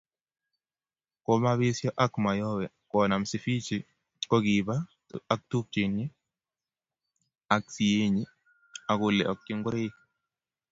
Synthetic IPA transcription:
ko˦ma˦βɪ˦sjɔ˦ʔa˦kma˨jɔ˦wɛ˨ | kɔ˨na˨msi˨fi˦t͡ʃi˨ | kɔ˦ɡi˨ba˦ | a˦k̚tu˦p̚t͡ʃi˨ni˦ | a˦ksi˨e˦ɲi˦ | a˨ɡʊ˦lɛ̰˨ʔɔ˨k̚t͡ʃɪ˦ŋɡʊ˦ɾɪ˦

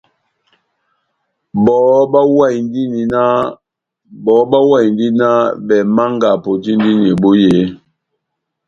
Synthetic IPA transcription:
bɔ˨˦ba˦wa˦˨jn˦di˦ni˨na˦ | bɔ˨˦ba˦wa˦˨jn˦di˦na˦bɛ˨ma˦ŋɡa˨po˨ti˦n˦di˦ni˨bu˦je˨˦

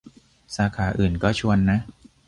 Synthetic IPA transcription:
saː˩˦kʰaː˩˦ʔɯː˨˩nkɔː˥˩t͡ɕʰu˧ənːa˦˥ʔ

